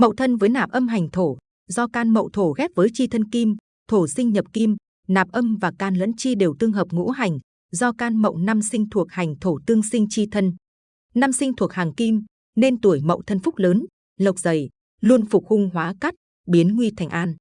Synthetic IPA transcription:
mə̰˧˨wt̪ʰə˧nvəː˨˦jnaː˨˩p̚ʔə˧mɦa˨˩jŋ̟t̪ʰo˧˩ | zɔ˧kaː˧nmə̰˧˨wt̪ʰo˧˩xɛ˦˥p̚vəː˨˦jt͡ɕi˧t̪ʰə˧nki˧m | t̪ʰo˧˩sï˧ŋ̟ɲə˨˩p̚ki˧m | naː˨˩p̚ʔə˧mvaː˨˩kaː˧nlə̰˧˥nt͡ɕi˧ɗe˨˩wt̪ɨ˧əŋɦəː˨˩p̚ŋṵ˧˥ɦa˨˩jŋ̟ | zɔ˧kaː˧nmə̰˧˨wna˧msï˧ŋ̟t̪ʰu˨˩ək̚ha˨˩jŋ̟t̪ʰo˧˩t̪ɨ˧əŋsï˧ŋ̟t͡ɕi˧t̪ʰə˧n | na˧msï˧ŋ̟t̪ʰu˨˩ək̚haː˨˩ŋki˧m | ne˧nt̪u˧˩əjmə̰˧˨wt̪ʰə˧nfʊ˦˥k͡p̚ləː˨˦n | lə˨˩wk͡p̚zə˨˩j | lu˧ənfʊ˨˩k͡p̚hʊ˧ŋ͡mɦwaː˨˦ka˦˥t̚ | ɓi˨˦ənŋwi˧t̪ʰɛ˨˩jŋ̟ʔaː˧n

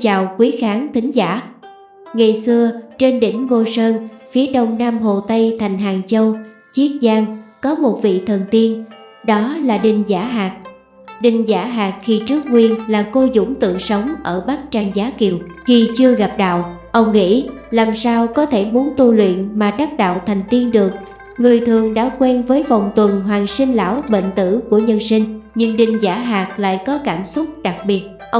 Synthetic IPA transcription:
t͡ɕaː˨˩wkwi˨˦xaː˨˦ŋt̪ʰï˨˦ŋ̟zaː˧˩ | ŋa˨˩jsɨ˧ət͡ɕe˧nɗḭ̈˧˩ŋ̟vo˧səː˧nfi˨˦əɗə˧wŋ͡mnaː˧mɦo˨˩t̪ə˧jt̪ʰa˨˩jŋ̟ɦaː˨˩ŋt͡ɕə˧w | t͡ɕi˦˥ət̚zaː˧ŋkɔ˨˦mo˨˩t̚vḭ˧˨t̪ʰə˨˩nt̪i˧ən | ɗɔ˨˦laː˨˩ɗï˨˩ŋ̟zaː˧˥ɦaː˨˩k̚ | ɗï˨˩ŋ̟zaː˧˩ɦaː˨˩k̚xi˧t͡ɕɨ˦˥ək̚ŋwi˧ənlaː˨˩ko˧zʊ̰˧˩ŋ͡mt̪ɨ̰˧˨sə˨˦wŋ͡mʔəː˧˩ɓaː˦˥k̚t͡ɕa˧jŋzaː˨˦ki˨˩əwxi˨˩t͡ɕɨ˧əɣa˨˩p̚ɗa̰ː˧˨wʔə˧wŋ͡mŋḭ˧˥laː˨˩msaː˧wkɔ˨˦t̪ʰe˧˩mu˨˦ənt̪u˧lwḭ˧˨ənmaː˨˩ɗ̪a˦˥k̚ɗa̰ː˧˨wt̪ʰa˨˩jŋ̟t̪i˧ənɗɨ˨˩ək̚ | ŋɨ˨˩əjt̪ʰɨ˨˩əŋɗa̰ː˧˥kwɛ˧nvəː˨˦jva˨˩wŋ͡mt̪wə˨˩nɦwaː˨˩ŋsï˧ŋ̟la̰ː˧˥˨wɓḛ˧˨nt̪ɨ̰˧˩˥ku˧˩əɲə˧nsï˧ŋ̟ɲɨ̰˧˥ŋɗï˨˩ŋ̟zaː˧˩ɦaː˨˩k̚la̰ː˧˨jkɔ˨˦kaː˧˩msʊ˦˥t̚ɗa˨˩k̚ɓi˨˩ət̚ʔə˧

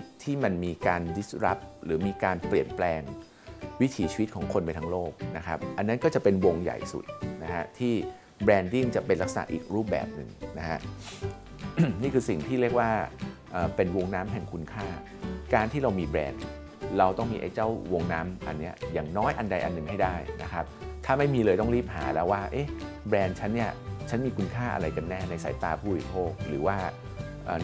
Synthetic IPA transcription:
t̪ʰiː˥˩ma˧nmiː˧kaː˧ndi˦˥sɾa˦˥p̚ɾɯː˩˦miː˧kaː˧npli˨˩ənplɛː˧ŋ | wi˦˥t̪ʰiː˩˦t͡ɕʰi˧wt̪̚kʰɔː˩˦ŋkʰo˧npa˧jt̪ʰa˦˥ŋloː˥˩k̚na˦˥kʰɾa˦˥p̚ʔa˧nːa˦˥nkɔː˥˩t͡ɕa˨˩ʔpe˧nwo˧ŋja̰˨˩jsṵ˨˩t̪̚na˦˥kʰa˦˥t̪ʰiː˥˩ | bɾɛː˧ndi˥˩ŋt͡ɕa˨˩pe˧nla˦˥k̚sa˨a̰˩˦˥ʔiː˨˩k̚ɾuː˥˩p̚bɛ̰ː˨˩p̚nɯ̰˨˩ŋna˦˥kʰa̰˦˥ʔ | niː˥˩kʰɯː˧si˨˩ŋt̪ʰiː˥˩ɾi˥˩ək̚waː˥˩ | ʔəː˨˩pe˧nwo˧ŋnaː˦˥mɦɛ˨˩ŋkʰu˧nkʰaː˥˩ | kaː˧nt̪ʰiː˥˩ɾa˧wmiː˧bɾɛ̰ː˧n | ɾa˧wt̪ɔ˥˩ŋmḭː˧ʔa̰˧jt͡ɕa˥˩wwo˧ŋnaː˦˥mʔa̰˧nːi˦˥ɐjaː˨˩ŋnɔː˦˥jʔa˧nda˧jʔa̰˧nːɯ˨˩ŋha˥˩jdaː˥˩jna˦˥kʰɾa˦˥p̚t̪ʰaː˥˩ma˥˩jmiː˧lɤː˧jt̪ɔ˥˩ŋɾiː˥˩p̚ha̰ː˩˦lɛ˦˥waː˥˩ʔe˦˥ | bɾɛː˧nt͡ɕʰa˦˥nːi˥˩ɐt͡ɕʰa˦˥nmiː˧kʰu˧nkʰaː˥˩ʔa̰˧ɾa˧jka˧nːɛː˥˩na˧jsa̰ː˩˦jt̪aː˧pʰuː˥˩ɾi˦˥pʰoː˥˩k̚ɾɯ̰ː˩˦waː˥˩ | ʔə̰ː˨˩

